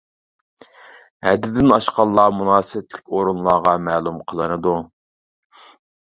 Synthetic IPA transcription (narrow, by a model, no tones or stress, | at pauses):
hɛd̪ːɪd̪ɪnɑʃqɑlˠːɑːmunɑːsɨwɪt̪ʰlɪkʲoɾunlˠɑːʁɑmæːlˠumqʰəlˠɨnɨd̪u